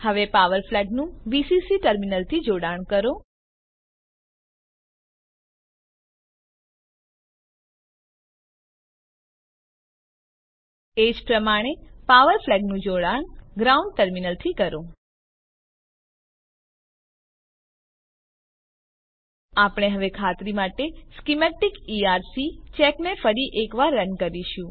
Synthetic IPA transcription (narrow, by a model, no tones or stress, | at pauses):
həʋepaʋəɾflɛɡnũʋisisiʈəɾminəlt̪ʰid͡ʒoɽaɳ̃kəɾo | ed͡ʒpɾəmaɽ̃epaʋəɾflɛɡnũd͡ʒoɽanɡɾauɳɖʈəɾminəlt̪ʰikəɾõ | apɳ̃eɦəʋekʰat̪ɾimaʈeskimɛʈikiaɾsit͡ʃɛknefəɾiʔekʋaɾːəŋkəɾiʃũ